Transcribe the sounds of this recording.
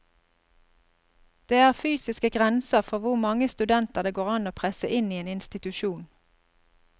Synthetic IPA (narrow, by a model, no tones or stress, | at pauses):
d̪̥eːæːʁfyːsɪskəɡʁɛnsəʁfɔʁʋʊʁmɑŋəst̪ʉd̪ɛnt̪əʁd̪eːɡoːʁɑnoːpʰʁɛsəʔɪniːeːnɪnst̪ɪt̪ʉʃuːn